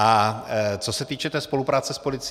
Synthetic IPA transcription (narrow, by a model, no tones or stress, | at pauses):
at͡so̞sɛt̪iːt͡ʃɛt̪ɛːspo̞lupɾaːt͡sɛspo̞lɪt͡s